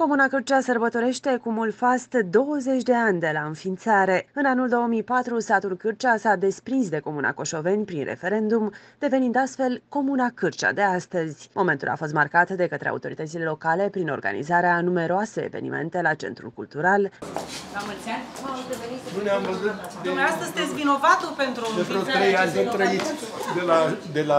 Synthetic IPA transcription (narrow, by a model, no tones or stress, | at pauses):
ko̞munakɨrt͡ʃasərbət̪o̞ɾe̞ʃt̪e̞kumulfast̪d̪o̞wəze̞t͡ʃʲd̪e̞anʲd̪e̞laɨnfint̪saɾe̞ɨnanuld̪o̞omijpat̪ɾust̪at̪ulkɨrt͡ʃasad̪e̞spɾinsd̪e̞ko̞muna̰ko̞ʃo̞ve̞nʲpɾinrʔe̞̰fe̞ɾe̞nd̪um | d̪̥e̞ve̞nind̪ast̪fe̞lko̞munakɨrt͡ʃa̰d̪e̞ast̪əz̥ʲmʔo̞ment̪ṵla̰fo̞s̬t̪markat̪d̪e̞kət̪ɾea̰wut̪o̞ɾit̪ət̪sile̞lo̞kale̞pɾino̞rɡa̰nḭzaɾeanume̞ɾoase̞ḛve̞̰nḭmḛnt̪e̞lat͡ʃe̞̰nt̪ɾṵlkult̪uɾal | amult͡ʃanad̪eveninuneamvəzut̪d̪emeast̪əzst̪et̪sʲvino̞vat̪upent̪ɾueɾot̪ɾejanit̪ɾəid̪elad̪ela